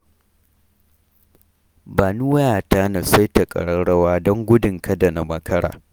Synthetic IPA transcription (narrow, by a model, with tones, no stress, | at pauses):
baː˨nu˦wɐ˦jaː˨taː˦na˨sa˦jta˨kʼɐ̰˨ɽɐ˦ɽɐ˦waː˦dɔ˦ŋɡʷʊ˦dɪ˨ŋkɐ˦da˨na˨mɐ˦kɐ˦ɽa̰ː˨